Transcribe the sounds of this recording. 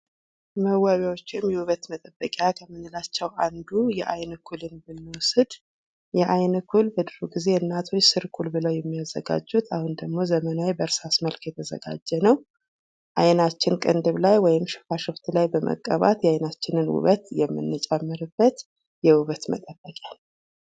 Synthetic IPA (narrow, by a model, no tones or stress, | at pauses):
məwːaβjawot͡ʃːɪmjɛwuβət̪mət̪ʼəbːəkʼjakʰəmːɨnːɨlat͡ʃːɛwʔand̪ujɛʔajnɨkʰulɨnbɨnːɨwɔsɨd̪ | jɛʔajnɨkʰulbəd̪ɨɾuɡize̞ɨnːat̪ʰo̞t͡ʃːsɨɾkʰulbɨləwjɛmːijazːə̰ɡa̰d͡ʒːut̪ʰahund̪əɡmo̞zəmənawebəɾsasməlkjɛt̪ʰəzə̰ɡa̰d͡ʒːɛnəw | ʔajnat͡ʃːɪnkʼənd̪ɨβlajwɔjɪmʃɨ̥faʃɨft̪lajbəmʔə̰kʼːə̰βa̰t̪jɛajnat͡ʃːɪnɨnwṵβət̪jɛmːɨ̰nːɨt͡ʃʼamːɨɾɨbːət̪ | jɛwuβət̪mə̰t̪ʼəbːəkʼja